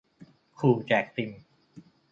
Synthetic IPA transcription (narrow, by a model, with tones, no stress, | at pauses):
kʰuː˧˩t͡ɕɛː˨˩k̚t̪i˧m